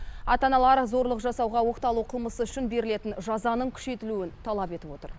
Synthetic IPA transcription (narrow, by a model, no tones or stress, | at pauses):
ɑ̰t̪ɑnɑlˠɑɾzo̞ɾlˠəqʒɑsɑwʁɑwo̞qt̪ɑlˠuqʰəlˠməsəʏʃɪnbe̞ɾɪle̞t̪ɪnʒɑzɑnəɴkʲʰʏ̥ʃe̞jt̪ɪluɪnt̪ʰɑlˠɑpe̞t̪ɪpwo̞t̪ə̰ɾ